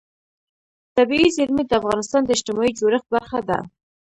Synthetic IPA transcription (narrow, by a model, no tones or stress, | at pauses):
t̪abiizɪɾmid̪əafɣɑnɪst̪ɑnd̪əɪʃt̪ɪmɑid͡ʒoɾəx̚baɾxad̪a̰